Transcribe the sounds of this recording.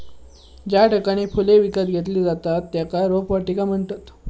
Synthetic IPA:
d͡ʑjaʈʰəkaɽ̃iːfuleʋikat̪ɡʱet̪̬liːd͡zat̪at̪ːjakaɾopʋaʈikam̤əɳt̪at̪

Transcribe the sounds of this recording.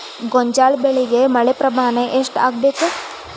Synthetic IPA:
ɡoɲd͡ʒaːlbeɭiɡemɐɭepɾɐmaːnɐʔeʂʈa̰ːɡbeːku

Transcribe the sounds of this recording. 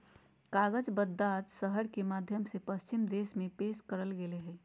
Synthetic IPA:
kaɡəd͡ʒbəd̪ːat̪səɦəɽkemaːd̪ʱjəmsepəst͡ʃimd̪esmẽpeskəɾəlɡeleɦɛ

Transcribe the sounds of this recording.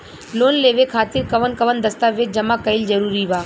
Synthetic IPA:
loːnleːʋekʰaːt̪ɪɾkɐʋənkɐʋənd̪ɐst̪aːʋed͡ʒɐmakɐɪlzəɾuːɾiʋaː

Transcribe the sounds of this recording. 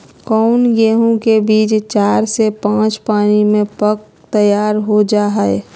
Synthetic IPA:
kɔːʊnɡeːɦõkebiːt͡ʃt͡ʃaːɾsepãːt͡ʃpaːnimẽpək | t̪əjaːɾɦod͡ʒaːɦɛe

